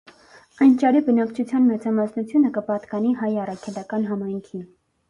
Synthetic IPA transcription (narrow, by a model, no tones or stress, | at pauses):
ɑjnt͡ʃɑɾibənɑkt͡ʃʰut͡sʰjɑnmɛt͡sɑmɑsnut͡sʰjunəkəpɑt̪kɑniɦɑjɑrɑkʰɛlɑkɑnɦɑmɑjŋkʰi